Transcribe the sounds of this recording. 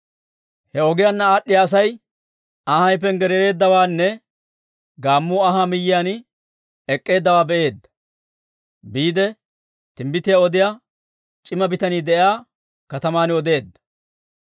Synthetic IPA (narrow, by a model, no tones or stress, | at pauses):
hɛɔɡɪjaːnːɐaːɗːɪjaːs̬ɐj | ɐhɐjpːɛnɡɛɾɛɾe̞ːd̪ːɐwaːnːɛ | ɡaːmːuːɐɦamɪjːɪjaːnɪ | ɛkʼːe̞ːd̪ːɐwaːbɛʔe̞ːd̪ːɐ̥ | biːd̪ɛ | t̪ɪmbɪt̪ɪjaɔd̪ɪja | t͡ʃʼɪmɐbɪt̪ɐniːd̪ɛʔjaː | kɐt̪ɐmaːnɔd̪e̞ːd̪ːɐ̥